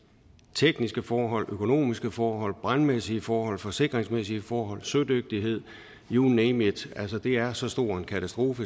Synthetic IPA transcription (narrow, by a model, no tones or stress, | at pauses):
t͡sʰeɡ̥nisɡ̥əfɒːɦɒ̽l̰økʰo̝no̝̰ːmisɡ̥əfɒːɦɒ̽l̰b̥ʁanmesiəfɒːɦɒ̽l̰fɒ̽se̝ɡ̥ʁeŋsmesiəfɒːɦɒ̽l̰sød̥øɡ̥̚d̥iɦe̝ð̰ˠ | junemed̥æl̰səd̥e̝æɐsɒ̽sd̥o̝ɐ̰e̝nkʰæt͡sʰæsd̥ʁo̝ːfə